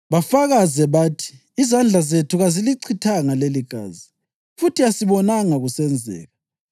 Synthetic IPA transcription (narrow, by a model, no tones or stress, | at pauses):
βafaɣazɛβaːtʰi̥ː | zand͡ɮʱazetʰuɣaziliǀʰitʰaŋaleliɡ̥ʱa̰ːzi | futʰiasiβɔnaŋaɣusɛnd͡zʱɛ̰ːɣa